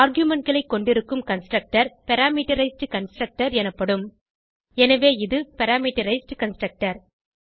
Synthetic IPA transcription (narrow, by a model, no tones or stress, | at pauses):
aːɾɡjʊmɐɳʈ̚ɡɐɭɐɪkːɔɳɖɪɾɯkːɯmkɐnsʈɾɐk̚ʈɐɾpɛɾaːmiʈɐɾɐɪsʈkɐnsʈɾɐk̚ʈɐɾɛnɐpːɐɽɯm | ɛnɐʋeːɪðɯpɛɾaːmiːʈːɐɾɐɪsʈkɐnsʈɾɐk̚ʈɐɾ